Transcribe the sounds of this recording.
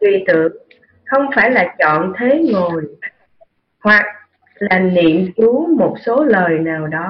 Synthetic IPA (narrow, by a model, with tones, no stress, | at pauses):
t̪wi˧˩t̪ɨ̰˧˨əŋ | xə˧wŋ͡mfaː˧˩jlaː˨˩t͡ɕɔ̰˧˨nt̪ʰe˨˦ŋo˨˩j | hwa˨˩k̚ | laː˨˩nḭ˧˨əmt͡ɕu˨˦mo˨˩t̚so˨˦ləː˨˩jnaː˨˩wɗɔ˨˦